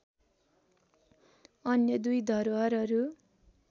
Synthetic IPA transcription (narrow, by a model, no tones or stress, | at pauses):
ʌnjʌd̪ujd̪ʱʌɾowʌɾʌɾu